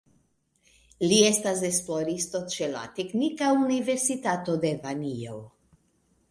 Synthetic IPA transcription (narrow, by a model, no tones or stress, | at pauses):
lie̞stas̬esploɾist̪o̞t͡ʃe̞la̰t̪eknikaunive̞ɾsit̪at̪o̞d̪e̞vanio̰w